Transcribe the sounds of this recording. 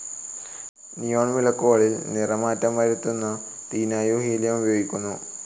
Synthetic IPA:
nijoːɳʋilɐkːoːɐɭilnirɐmaːtːɐmaːjɾut̪ːunːɨ | t̪iːnaːjuːhijiljemujoːɡikʲːunːu

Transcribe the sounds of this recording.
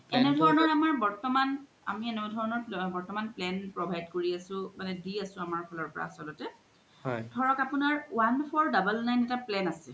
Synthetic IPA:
ɛnɛdʱɔɹɔnɔɹamaɹbɔɹtɔman | a̰miɛnɛdʱɔɹɔnɔɹbɔɹtɔmanplɛnpɹɔbʱajdkoɹiasʊ̃manɛdiasʊ̃amaɹpʰɔlɔɹpɔɹa̰sɔlɔtɛ | ɦɔjdʱɔɹɔkapunaɹwanpʰɔɹdabəlnajnɛtaplɛnasɛ

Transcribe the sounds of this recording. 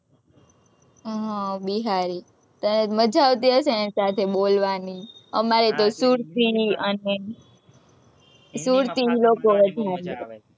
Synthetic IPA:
ɦãbiɦaɾi | t̪əneməd͡ʒaʋt̪iɦəʃenesat̪ʰeɓolʋaniə̰maɾet̪osuɾt̪iəne | suɾt̪ilokoʋəd̪ʱaɾe

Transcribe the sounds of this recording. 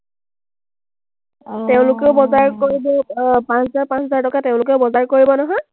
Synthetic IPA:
teʊ̃lʊkeʊbɔzaɹkoɹibɔpãszaɹpãnszaɹtɔkateʊ̃lʊk̬ɛʊbɔzaɹkoɹibɔnɔɦɔj

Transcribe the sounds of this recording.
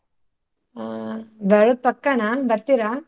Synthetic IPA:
beɭod̪̚pɐkːanɐbɐɾt̪iɾa

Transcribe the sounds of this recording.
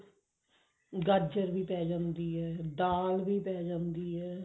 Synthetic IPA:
ɡəɾd͡ʒəɾʋiːpɛːd͡ʒãːnd̪iːɦɛːɖaːlʋiːpɛːd͡ʒãːnd̪iːɦɛː

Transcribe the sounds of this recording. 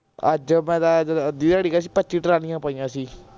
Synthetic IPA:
əd͡ʒmɛ̃ːd̪aːd͡ʒəd̪iːd̪aːɽiːkas̬iːpət͡ʃiːʈɾaːnĩːãːpaːijãːsiː

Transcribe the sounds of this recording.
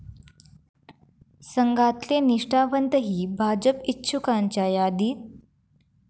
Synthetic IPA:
səŋɡat̪leniʂʈaʋənt̪əɦiːbʱad͡ʑəpitːɕʰukaɲt͡ɕajad̪iːt̪̚

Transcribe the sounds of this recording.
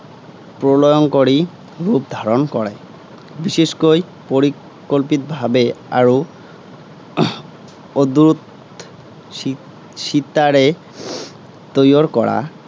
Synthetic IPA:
pɾolojonkoɾi | ɾup̚d̪ʱaɾonkɔɾe | biʃeʃkoj | poɾi | kolpit̪bʱabea̰ɾo | od̪ɾut̪ | ʃit̪ːaɾe | t̪ojoɾkɔɽa̰

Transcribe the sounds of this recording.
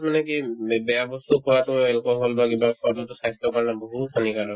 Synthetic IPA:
manɛkibɛjabɔst̪ukʰɔwatʊɛlkɔɦɔlbakibakʰɔtɔtʊsaɦist̪ɔkɔɹɛnabɔɦutdʱanikaɾɔ

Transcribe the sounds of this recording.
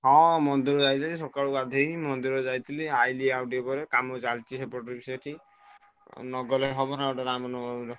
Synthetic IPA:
ɦɔ̃mɔnd̪iɾɔd͡ʒajt̪ʰilisɔkaɭukad̪ʱeimɔnd̪iɾɔd͡ʒajt̪ʰiliajliawɖijopɔɾekamɔt͡ʃalt͡ʃisepɔʈɔɾibisɔʈʰi | nɔɡɔleɦɔbɔnaeʈaɾamɔnɔɔɾɔ

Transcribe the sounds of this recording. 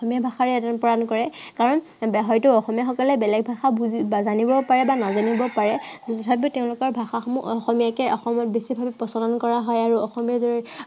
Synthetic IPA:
ɔmijabʱaxaɹɛɛtapɔɹankɔɹɛkaɹɔn | ɦɔjtʊɔxɔmijaxɔkɔlɛbɛlɛɡ̚bʱaxabuziazanibɔpaɹɛbanazanibɔpaɹɛbʰʱabʊtɛʊ̃lʊkɔɹbʱaxaxɔmuʔɔxɔmijakɛʔɔxɔmɔt̚besibʱabipɔsɔlɔnkɔɹaɦɔjaɹuɔxɔmijaɹzɔɹi

